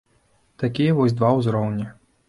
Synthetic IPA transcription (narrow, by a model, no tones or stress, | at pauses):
t̪akʲijɛvɔsʲd̪vawzɾɔwnʲi